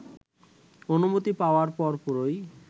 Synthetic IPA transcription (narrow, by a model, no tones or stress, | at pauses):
onumut̪ipaoaɾpɔɾpɔɾoj